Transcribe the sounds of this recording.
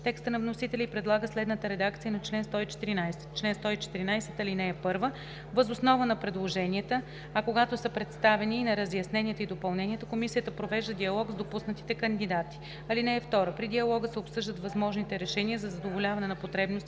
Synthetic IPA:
t̪ɛkst̪ənɐvnosit̪ɛlʲɛipɾɛd̪lˠaɡəslɛd̪nət̪əɾɛd̪ak̚t̪siənɐt͡ʃlɛnst̪ɔit͡ʃɛ̥t̪iɾinajsɛ̥t̪t͡ʃlɛnst̪ɔit͡ʃɛ̥t̪iɾinajsɛt̪ɐlinɛɛpɤɾvə | vəzosnɔvənɐpɾɛd̪lˠoʒɛnʲiət̪ə | ɐkoɡat̪osəpɾɛt̪st̪avɛniːnɐɾəzjɐsnɛniət̪əid̪opɐlˠnɛnʲiət̪əkomisijət̪əpɾovɛʒd̪əd̪iɐlˠɔɡzd̪opusnət̪i̥t̪ɛkɐnd̪id̪at̪i̥ | ɐlinɛːft̪ɔɾəpɾid̪iɐlˠɔɡəsɛopsɤʒd̪ət̪vɐzmɔʒnit̪ɛɾɛʃɛniəzɐzɐd̪ovolʲavɐnɛnɐpot̪ɾɛbnost̪

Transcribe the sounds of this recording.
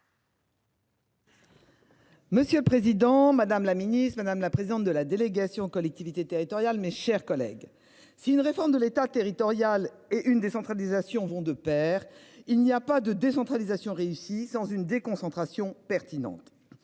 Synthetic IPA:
məsjøləpχezid̪ɑ̃mad̪amlaminit̪mad̪amlapχezid̪ɑ̃t̪̚d̪əlad̪eleɡasjɔ̃kɔlɛk̚t̪ivit̪et̪eʁit̪ɔʁjalmeʃɛʁkɔlɛ̰ɡ | siynʁefɔʁmd̪əlet̪at̪eʁit̪ɔʁjal | eʔynd̪esɑ̃t̪χalizasjɔ̃vɔ̃d̪əpɛːʁ | ilniapad̪əd̪esɑ̃t̪χalizasjɔ̃ʁeysisɑ̃zynd̪ekɔ̃sɑ̃t̪χasjɔ̃pɛʁt̪inɑ̰̃t̪

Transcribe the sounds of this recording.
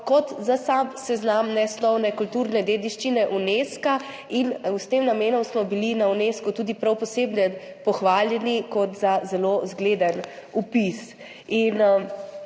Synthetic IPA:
kɔt̪zasamsɛznamnɛsnɔwnɛkult̪uɾnɛd̪eːd̪iʃt͡ʃinɛʔuneːska | inwst̪eːmnameːnɔmsmɔbilinauneːskut̪uːd̪ipɾawpɔseːbnɛ | pɔxʋaːljɛnikɔt̪zazɛlozɡleːd̪ənupis | in

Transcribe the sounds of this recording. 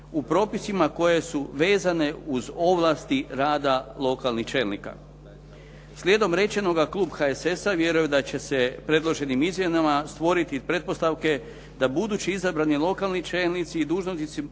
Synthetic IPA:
upɾo̞ːpisimako̞je̞suʋe̞ːzane̞uzo̞ʋlˠast̪iɾaːd̪alˠo̞kalˠniht͡ʃe̞ːlnḭka̰ | slʲjed̪o̞mɾe̞t͡ʃe̞no̞ɡaklˠuːbxaese̞saʋje̞ɾujed̪at͡ɕe̞se̞pɾe̞d̪lo̞ʒe̞nimizmjenamast̪ʋo̞ɾit̪ipɾe̞t̪̚po̞st̪aʋke̞ | d̪abud̪uːt͡ɕiizabɾanilˠo̞kalnit͡ʃe̞ːlˠnit̪siːd̪uːʒnosit̪si

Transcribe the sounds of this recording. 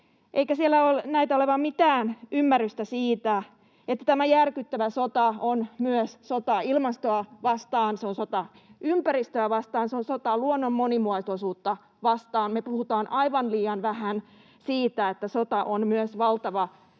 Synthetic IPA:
ʔeikæsielːæolnæit̪æoleʋɑmmit̪æːnymːærːyst̪æsiːt̪æ | et̪ːæt̪æmæjærkyt̪ːæʋæsot̪ɑonmyøssot̪ɑilmɑst̪oɑʋɑst̪ɑːnseonsot̪ɑ | ympærist̪øæʋɑst̪ɑːnseonsot̪ɑluonːomːonimuɑst̪osuːt̪ːɑ | ʋɑst̪ɑːnmepuhut̪ɑːnʔɑiʋɑnliːɑnʋæhæn | siːt̪æet̪ːæsot̪ɑʔonmyøsʋɑlt̪ɑʋɑ

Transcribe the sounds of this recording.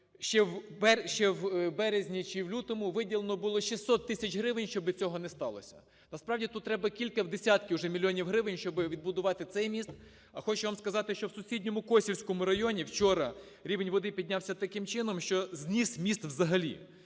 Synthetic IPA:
ʃɛwbɛʃt͡ʃɛwbɛɾezʲnʲit͡ʃɪwlʲut̪ɔmʊʋɪdʲilˠenɔbʊlˠɔʃisːɔt̪ːɪsʲɐt͡ʃɦɾɪʋɪnʲʃt͡ʃɔbɪt͡sʲɔɦɔnɛst̪ɑ̰lˠɔ̰sʲɐ̥̰ | nɐspɾɑʋdʲit̪ut̪t̪ːɾɛbɐkʲilʲkɐwd̪esʲat̪kʲɪwʒɛmʲilʲːjɔnʲiwɦɾɪʋɪnʲʃt͡ʃɔbɪʋʲid̪̚bʊd̪ʊʋɑt̪ɪt̪sɛjmʲist̪ | ɐxɔt͡ʃɛʋamskɐzɑt̪ɪʃt͡ʃɔwsʊsʲidʲnʲɔmʊkɔsʲiwʲsʲkɔmʊɾɐjɔnʲiwt͡ʃɔɾɐ | ɾʲiʋenʲʋɔd̪ɪpʲid̪ʲnʲawsʲɐt̪ɐkɪmt͡ʃɪnɔmʃt͡ʃɔzʲnʲismʲist̪ʋzɐɦɐlʲḭ

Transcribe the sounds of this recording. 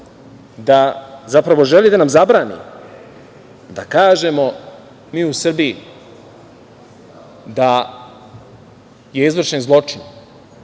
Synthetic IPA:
d̪azapɾaʋo̞ʒe̞lid̪anamzabɾaːnḭ | d̪akaːʒe̞mo̞ | miːusr̩bii | d̪a | je̞izvr̩ʃe̞nzlˠo̞t͡ʂin

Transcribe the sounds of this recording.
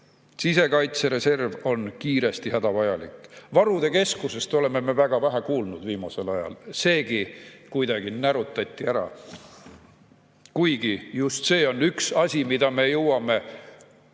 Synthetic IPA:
sise̞kɑjt̪seɾe̞se̞rvo̞nkiːɾe̞st̪ihæd̪̥ɑvɑjɑlikːˑvɑɾud̪e̞ke̞skuse̞st̪o̞le̞me̞me̞væɡ̥ɑvæɦækuːlnud̪̥viːmɑse̞lɑjɑ̰lse̞ːɡikujd̪ɑɡ̥inæɾut̪ːˑɑt̪ʲːiæɾɑ̰ | kujɡ̥ijust̪se̞ːo̞nyksɑsʲimid̪ɑme̞jɤwɑme̞

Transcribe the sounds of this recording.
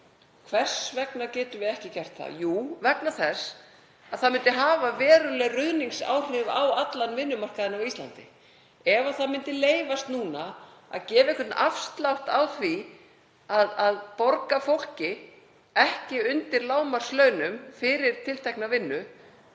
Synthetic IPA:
kʰvɛr̥svɛknacɛːt̪ʏvɪɛhcɪcɛr̥t̪θa̰juːvɛknaθɛs | aðθaðmɪnt̪ɪɦaːvavɛːɾʏlɛɣrʏðniŋsa̰wr̥ɪva̰wat̪lanvɪnːʏmar̥kaðɪnawist̪la̰nt̪ɪ | ɛvaðθaðmɪnt̪ɪleːjvast̪nuːnaa̰ðcɛːvɪehkʰvʏt̪n̩ʔafst̪lawht̪awθvi | aðaðpɔɾkafowl̥cɪ | ɛhcɪʏnt̪ɪɾlaːwmar̥slœːɥnʏmfɪɾɪɾ̥t̪ʰɪlt̪ʰɛjknavɪnːʏ

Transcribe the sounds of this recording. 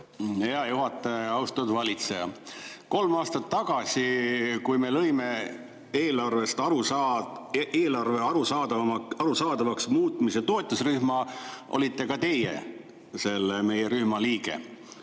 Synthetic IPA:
heɑjuɦɑt̪ːˑeɑwst̪ud̪vɑlʲit̪sejɑ̰ko̞lmɑːst̪ɑt̪ːɑɡ̥ɑsʲikujme̞lɤjme̞ | eːlɑrve̞st̪ɑɾuɑ | eːlɑrve̞ɑɾusɑːd̪ɑɑɾusɑːd̪ɑvɑksmuːt̪ˑmiset̪o̞et̪ːˑusryhmɑʔo̰lʲit̪ˑːe̞kɑt̪e̞jḛ | se̞lːeme̞jeɾyhmɑliːɡe̞̰

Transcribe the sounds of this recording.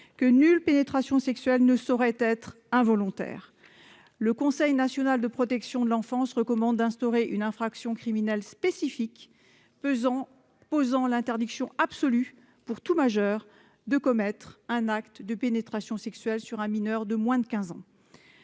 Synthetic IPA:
kənylpenet̪χasjɔ̃sɛksɥɛlnəsɔʁɛt̪ɛt̪χ | ɛ̃vɔlɔ̃t̪ɛ̰ːʁ | ləkɔ̃sɛjnasjɔnald̪əpχɔt̪ɛksjɔ̃d̪əlɑ̃fɑ̃sʁəkɔmɑ̃d̪ːɛ̃st̪ɔʁeʔynɛ̃fχaksjɔ̃kχiminɛlspesifik | pozɑ̃lɛ̃t̪ɛʁd̪iksjɔ̃apsɔly | puʁt̪umaʒœʁ | d̪əkɔmɛt̪χɛ̃nakt̪d̪əpenet̪χasjɔ̃sɛksɥɛlsyʁɛ̃minœʁd̪əmwɛ̃d̪əkʲɛ̃zɑ̰̃

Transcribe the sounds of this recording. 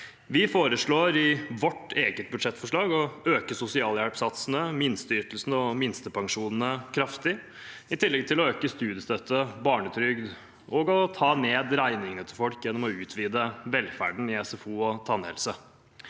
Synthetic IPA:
ʋɪfoːɾəʂɭoːɾɪʋɔʈːeːɡət̪̚bʉd̪ʂɛt̪ːfɔʂɭɑːɡɔøːkəsʊsɪɑːljælpsɑt̪snəmɪnst̪əʏʈ̪l̩snəɔmɪnst̪əpʰɑŋʂuːnn̩əkʰɾɑft̪ɪ | ɪt̪ʰɪlːɛɡ̚t̪ʰɪlɔøːkəst̪ʉːd̪jəst̪œt̪ʰːəbɑːɳət̪ʰɾʏɡd̪ | ɔɡɔt̪ʰɑːneːd̪ɾæɪnɪŋənət̪ʰɪlfɔlkjɛnːɔmɔʉːt̪ʰʋiːd̪əʋɛlfæ̰ɖɳ̩ɪɛsɛfuːɔt̪ʰɑnhɛ̰lsə

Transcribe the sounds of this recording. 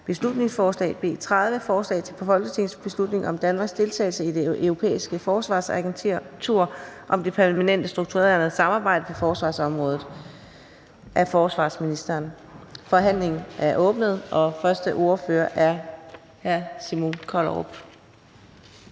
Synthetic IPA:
b̥e̝slud̥ne̝ŋsfɒːslɛ̰ːb̥e̝̰ːt͡sʰʁað̞ˠʋəfɒːslɛ̰ːt͡sʰe̝pʰɒfɒ̽lɡ̥ət͡sʰe̝ŋsb̥e̝slud̥ne̝ŋʔɒ̽md̥ænmɑ̈ːɡsd̥e̝lt͡sʰɛ̰ːlsəid̥e̝ʔøʊʁo̝pʰḛːisɡ̥əfɒːsʋɑ̰̈ːsæɡ̥ent͡sʰːɐt͡sʰuɐ̰ʔɒ̽md̥e̝pʰæɐmænen̰d̥əsd̥ʁuɡ̥̚t͡sʰuʁḛɐnð̩ˠsɑ̈mɑ̈ːb̥ɑ̈ɪ̰d̥əpʰɒ̽fɒːsʋɑ̰̈ːsɒ̽mʁɔ̽ːð̩ˠ | ʔæfɒːsʋɑ̰̈ːsminisd̥ɐːn | fɒ̽ɦæn̰le̝ŋn̩ʔæɐʔɔ̽ːb̥nəð̞ˠʔɒ̽fɶɐsd̥əʔo̝ɐføːɐʔæɐ | hæɐsimonkʰɒlʁo̰b̥

